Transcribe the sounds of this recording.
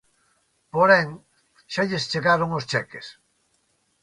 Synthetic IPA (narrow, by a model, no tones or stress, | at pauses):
poɾeŋ | ʃaʎest͡ʃeɣaɾoŋost͡ʃɛkes